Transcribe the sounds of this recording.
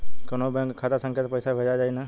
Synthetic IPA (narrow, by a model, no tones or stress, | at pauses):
konobɛ̃ŋkkʰːat̪asə̃ŋkʰət̪pəjsabʱed͡ʒad͡ʒaːina